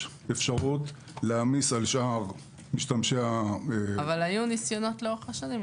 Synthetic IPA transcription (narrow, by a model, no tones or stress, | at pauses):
efʃaʁut | leamisalʃʔaʁ | miʃtamʃea | valajunisjono̞t̪leoʁeχaʃanim